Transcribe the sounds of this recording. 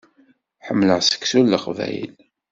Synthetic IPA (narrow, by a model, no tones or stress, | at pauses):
ħəmːləʁsə̥ksulːəχvæ̰jə̰l